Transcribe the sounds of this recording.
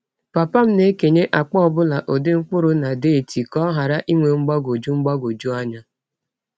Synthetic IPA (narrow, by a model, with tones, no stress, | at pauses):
pa˨pa˦m̩˦ne˦ke˨ɲe˦ʔa˨k͡pɔ˦ɔ˦˨bʊ˦la˨ʔo˨dɪ˦ŋ͡m̩˦k͡pʊ˦ɾʊ˨˦na˨de˦e˨ti˨kɔ˦ɦa˨ɾa˦ʔi˦ŋʷe˨ŋ͡m̩˦ɡ͡ba˦ɡo˨d͡ʒu˦ŋ͡m̩˦ɡ͡ba˦ɡo˨d͡ʒu˦a˦ɲa˦